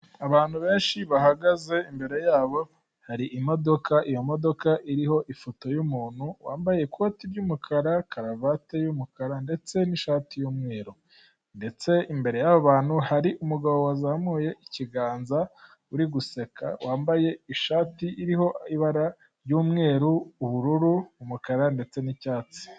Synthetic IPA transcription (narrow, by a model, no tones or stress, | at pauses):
aβaːn̥huβe̞ːnʃiβaɦaɡaze̞imbe̞ɾe̞jaːβo̞ | haɾiʔimo̞do̞kʰaʔijo̞mo̞do̞kaʔiɾiho̞ʔifoto̞jumuːn̥huwaːmbaje̞ikʰo̞ːtiɾɟumukʰaɾakʰaɾavatejumukaɾande̞t͡se̞niʃaːtijuːmŋe̞ːɾo | nde̞t͡se̞imbe̞ɾe̞jaβoβaːn̥huhaɾiʔumuɡaβo̞wazamuːje̞ʔiciɡaːnza | uɾiɡusekʰa̰wʔaːmbaje̞iʃaːtiʔiɾiɦo̞iβaɾa | ɾjuːmŋe̞ːɾuːβuɾuɾuumukaɾande̞t͡se̞nicaːt͡si̥